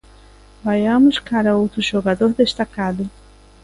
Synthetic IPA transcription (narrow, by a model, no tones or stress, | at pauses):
vajamuʃkʰaɾaut̪ʰuʃɔɡad̪ɔhd̪eʃt̪akaɾd̪i